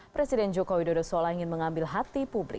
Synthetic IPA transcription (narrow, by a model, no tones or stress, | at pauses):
pɾɛsidɛnd͡ʒokowidodɔsolaiŋɪnməŋambɪlɦat̪ipublɪ̰